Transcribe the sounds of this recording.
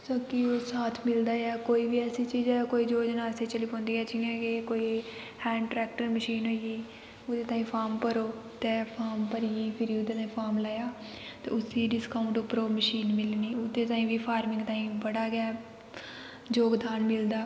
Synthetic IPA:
soːkɪoːsaːt̪ʰmɪld̪aːɛːkoːiːʋiːɛːsiːt͡ʃiːd͡ʒɛːkoːiːd͡ʒoːd͡ʒnaːseːt͡ʃəliːpõːnd̪iːɛːt͡ʃɪːjãːkɪkoːiː | hɛ̃ːɳʈɾɛːkʈəɾməʃiːnɦoːiɡiː | ʊd̪eːt̪aːĩːpʰaːɾmkəɾoːt̪eːpʰaːɾmpəɾiːiːpʰɪɾiːʊt̪eːt̪aːĩːpʰaːɾmlaːjaː | t̪ḛːʊsiːɖɪskaːʊ̃ɳʈʊpːəɾoːməʃiːnmɪlniːʊt̪ːeːt̪ãːĩːʋiːpʰaːɾmɪ̃ŋɡt̪ãːĩːbəɽaːɡɪaː | d͡ʒoːɡd̪aːnmɪld̪aː

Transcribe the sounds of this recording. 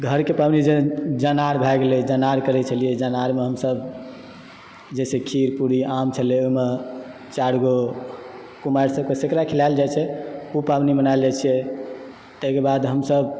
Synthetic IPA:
ɡʱəɾkepabnid͡ʒed͡ʒanaɾbʱɛɡelɛd͡ʒanaɾkəɾɛt͡ʃʰəlijɛd͡ʒanaɾmeɦəmsəb | d͡ʒɛsekʰiɾpuɾiamt͡ʃʰəlɛoime | t͡ʃaɽɡo | kumaɾsəb̚kesekɾakʰilaɪld͡ʒajt͡ʃʰɛupabnimənald͡ʒat͡ʃʰɛ | t̪əɦkebad̪ɦəmsəb

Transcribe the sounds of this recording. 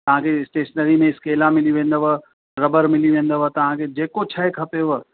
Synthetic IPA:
t̪ɐɦãkʰeɪsʈeːʃnəɾimẽɪskeːlamɪliʋẽːnd̪əʋə | ɾɐbəɾmɪliʋẽːnd̪əʋət̪ɐʋ̤ãkʰed͡ʒeːkot͡ʃʰɐekʰɐpeʋə

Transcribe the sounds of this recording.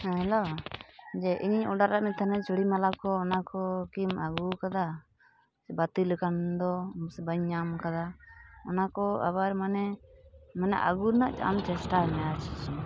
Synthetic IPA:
hɛɦɛlo | d͡ʒɛʔiɲɲɔɖaɾaʔmɛt̪ʰanɛt͡ʃuɽimalakɔːnakɔkimaɡuɾkad̪a | bat̪iləkand̪ɔsbəɲːamkad̪aɔnakɔa̰baɾmanɛ | manɛ̰ʔa̰ɡuɾnaʔt͡ʃa̰mt͡ʃɛsʈaɛmɛjat͡ʃʰit͡ʃ

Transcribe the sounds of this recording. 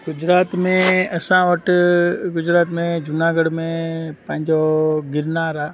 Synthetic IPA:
ɡʊd͡ʒɾaːt̪mẽɐsãʋəʈɡʊd͡ʒɾaːt̪mẽd͡ʒʊnaːɡəɽmẽpə̃ɦɪ̃ɲd͡ʒoɡɪɾnaːɾaː

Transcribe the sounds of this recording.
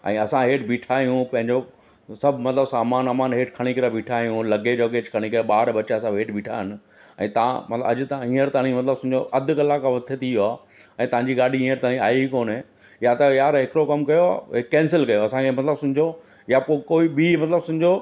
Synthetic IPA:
ɛ̰̃ːɐsãɦeːʈbʱiːʈʰaːijũpɐ̃ɦɪ̃ɲd͡ʑo | sɐbʱmɐt̪ləbsaːmaːnɐmaːnɦeːʈʰkʰɐɽ̃ikɐɾabʱiːʈʰaːjũlɐɡed͡ʑɔːɡeːd͡ʑkʰɐɽ̃ikɐeɓaːɾɓɐt͡ɕaɐsãeːʈbʱiːʈʰaːɦɪn | ɛ̰̃ːt̪ɐã̰mɐ̰t̪ləɐ̰d͡ʑt̪aĩːəɾt̪aːɽ̃ĩmɐt̪ləbsʊ̃d͡ʑoʔɐd̪ʱʊ̆kɐlakaʋɐt̪ʰet̪ʰijoaː | ɛ̃ːt̪ɐʋ̤ãːɲd͡ʑiɠaːɖʱiĩːəɾt̪aːɽ̃ĩaːikoːnɦeː | jat̪ɐjaːɾɦɪkɪɾokɐmkɐjoa̰ːɦɪːɛ̃ːnsɪlkɐjoɐsãkʰemɐt̪ləbsʊ̃ɪd͡ʑʱo | japoːkoːibimɐt̪ləbsʊ̃̆d͡ʑo

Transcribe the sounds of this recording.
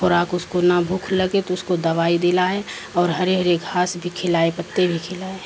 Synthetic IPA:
xoɾaːkʊskonabʱʊkʰləɡet̪oʊskod̪ɐʋaːid̪elaːe | ɔːɾɦəɾeɦɾeɡʱaːsbʱikʰɪlaːepət̪ːebʱikʰɪlaːe

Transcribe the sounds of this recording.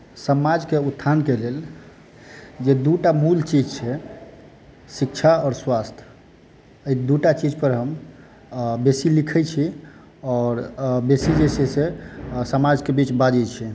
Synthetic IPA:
səmad͡ʒkeut̪ʰːankelel | d͡ʒed̪uʈamult͡ʃid͡ʒt͡ʃʰɛ | sikt͡ʃʰaɔːɾswast̪ʰ | əid̪uʈat͡ʃid͡ʒpəɾɦəm | besilikʰɛjt͡ʃʰi | ɔɾbesid͡ʒesesesəmad͡ʒkebit͡ʃbad͡ʒɛjt͡ʃʰi

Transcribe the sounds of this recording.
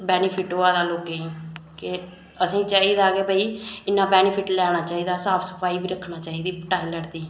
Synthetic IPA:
bɛːnɪpʰɪʈoaːd̪aːloːkeːĩːkɪ | əsĩːt͡ʃaːiːd̪aːkeːbəiːɪnːãːbɛːnɪpʰɪʈlɛːɽ̃aːt͡ʃaːiːd̪aːsaːpsə̥pʰaːiːbiːɾəkʰːnaːt͡ʃaːiːd̪iːpʈaːiːləɽd̪iːɛ̃

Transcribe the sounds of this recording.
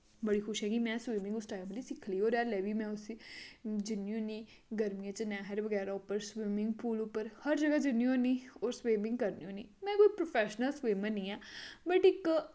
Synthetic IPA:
bəɽiːkʰʊʃɦɛ̃ːɡimɛ̃ːswiːmɪ̃ŋɡʊsʈaːimd̪iːsɪkʰliːoːɾɛːɾlɛːbiːmɛ̃ːʊs | d͡ʒɪnːijũːnĩː | ɡəɾmijãːt͡ʃənɛːɦəɾʋəɡɛːɾaːʊpːəɾswɪːmɪŋɡpʰuːlʊpːəɾhəɾd͡ʒəɡaːd͡ʒɪnːĩõniːɔːɾswiːmɪ̃ŋɡ̚kəɾniːũːniːmɛ̃ːkoːipɾopʰɛːʃnəlswiːmənĩːɛːbəʈɪk

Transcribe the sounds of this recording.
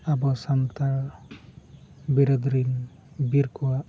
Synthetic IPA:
abɔsant̪aɭ | biɾɔd̪ɾin | biɾkɔwa

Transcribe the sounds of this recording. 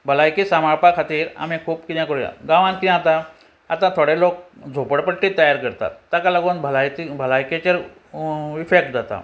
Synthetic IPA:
bʱəlajkisamaɾpakʰat̪iːɾa̰m̤ikʰuːpkid̪jakoɽḭɡãʋãnkiãt̪a | at̪ãt̪ʰoɽelok̚d͡zʱopəɽpəʈːiːt̪əjaɾkəɾt̪a̰t̪ːakalaɡuːnbʱəlajt̪ibʱəlajket͡ɕəɾ | ifek̚ʈd͡zat̪a̰

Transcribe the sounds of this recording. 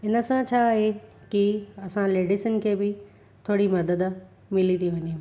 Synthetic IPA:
ɪnəsãt͡ɕʰaːɦe | kiɐsãleːɖiʃənkʰeːbɪ | t̪ʰoːɽimɐd̪əd̪ | mɪlit̪ʰiʋɐɲe

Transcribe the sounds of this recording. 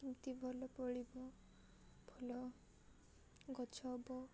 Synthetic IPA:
kimt̪ibʱɔlɔpɔɭibɔ | b̥ʱɔlɔ | ɡɔt͡ʃʰɔbɔ

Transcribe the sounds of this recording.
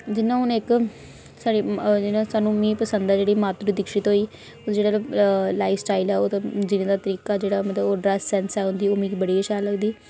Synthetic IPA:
d͡ʒɪnːãːʊnɪk | saːɽiːd͡ʒɪnãːsaːnũːmĩːpəsənd̪aːd͡ʒeːɽiːmaːt̪ɾid̪ɪkʃɪt̪ɦoːiː | od͡ʒeːɽaːlaːifsʈaːilɛːoːt̪ːd͡ʒɪnẽːd̪aːt̪əɾiːkaːd͡ʒeːɽaːmət̪ləboːɖɾɛsːɛnsɛːɦʊ̃nd̪iːoːmĩːkiːbəɽiːəʃaːləɡd̪iː

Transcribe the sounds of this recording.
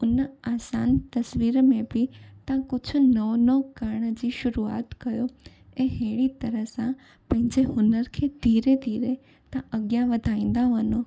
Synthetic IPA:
ʊnaːsa̰ːnt̪ɐsʋiːɾmẽbit̪ãkʊd͡ʑʰʱʊnəʋnokəɾɳ̃əd͡ʑiʃʊɾua̰ːt̪kɐjo | eɦeːɽit̪ɐɾəɦsã | pɐ̃ɦɪ̃ɲd͡ʑeɦʊnəɾkʰed̪̥ʱiːɾed̪ʱiːɾe | t̪ãʔəɡjãʋəd̪ʱaːĩːn̆d̪aʋəno

